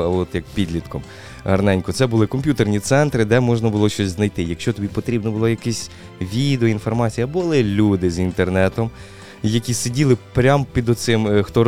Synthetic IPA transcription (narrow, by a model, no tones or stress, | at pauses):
ɔt̪jɐk̚pʲid̪lʲit̪kɔm | ɦɐrnɛnʲkʊt̪sɛbʊlˠɪkɔmʲpʲjut̪ernʲit̪sɛnt̪ɾɪd̪ɛmɔʒnɐbʊlˠɔʃt͡ʃɔsʲznɐjt̪ɪjɐkʃt͡ʃɔt̪ɔbʲipɔt̪ɾʲibnɔbʊlˠɔjɐkɛsʲ | ʋʲid̪eɔinfɔrmɑt͡sʲijɐbʊlˠɪlʲud̪ɪzint̪ernɛt̪ɔm | jɐkʲisedʲilˠɪpɾʲampʲid̪ɔt̪sɪmxt̪ɔ